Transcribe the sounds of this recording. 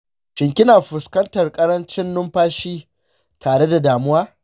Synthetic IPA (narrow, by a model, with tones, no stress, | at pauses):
t͡ʃɪ˨ŋkʲɪ˦naː˨ɸʊ˨skɐ˦ntɐ˨rkʼɐ˦ɾɐ˦nt͡ʃɪ˦nːʊ˦mɸaː˦ʃiː˦ | tʰaː˨ɽe˦da˨daː˨mʊ˦waː˦